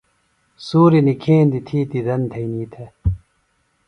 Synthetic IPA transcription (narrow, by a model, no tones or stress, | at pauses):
suːɾinikʰeːnd̪it̪ʰiːt̪id̪ɐnt̪ʰɐiniːt̪ʰe